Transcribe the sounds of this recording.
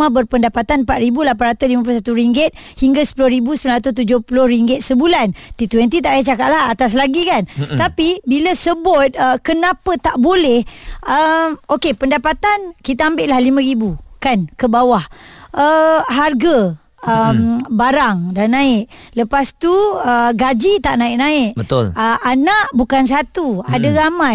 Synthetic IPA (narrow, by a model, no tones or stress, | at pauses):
ãbərpəndapat̪anpat̪̚ɾibulapanrat̪ʊslimãp̬ulos̬at̪uɾiŋɡɪt̪̚ | hiŋɡasə̥pulʊhɾibusə̥pəlanɾat̪̬ʊst̪ud͡ʒʊhpulʊhriŋɡɪt̪̚səbulant̪it̪wɛnt̪it̪aʔat͡ʃakaʔ̪laɦat̪as̬laɡikant̪apibiləsəbʊt̪̚əkənãpət̪aʔbolɛhəmokepəndapat̪ankit̪aambɪʔlahlimə̃ɾibukankəbawahəɦarɡa | əmbaɾaŋdanːãɪʔləpast̪uəɡad͡ʒit̪aʔnãɪʔnaɪʔbət̪oləʔanaʔbukans̬at̪uadəɾama